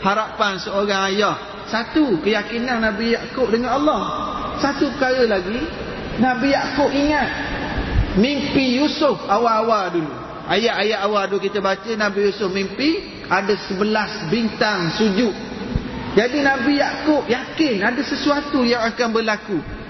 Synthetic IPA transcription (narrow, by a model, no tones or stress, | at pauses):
haɾapansəoɾaŋajah | sat̪ukəjakinanːãbijaʔkʊʔdəŋanalːɔhsat̪upəkaɾəlaɡi | nabijaʔkʊʔiŋat̪̚ | mimpijusʊfawaʔːwadulu | ajaʔajaʔawadukit̪əbat͡ʃənabijusʊfmimpi | adasəbəlasbint̪aŋsud͡ʒʊʔ | d͡ʒadinãbijaʔkʊʔjakɪnadasəsuat̪ujaŋakanbəlaku